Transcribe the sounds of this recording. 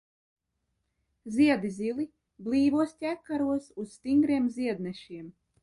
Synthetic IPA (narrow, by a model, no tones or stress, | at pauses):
zʲiɛd̪izʲilˠi | blˠiːvuɔst̪ʲækːaɾuɔsusst̪iŋɡɾiɛmziɛd̪nɛʃiɛm